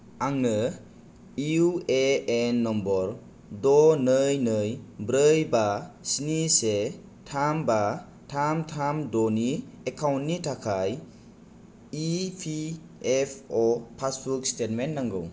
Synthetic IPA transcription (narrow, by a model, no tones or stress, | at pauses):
aŋnɯ | iueenːɔmbɔɾ | dɔnɯjnɯjbɾɯjbasinise | tʰamba | tʰamtʰamdɔniekʰawntːitʰakʰaj | ipʰi | epʰɔpʰasbukstet̚mentnaŋɡɯw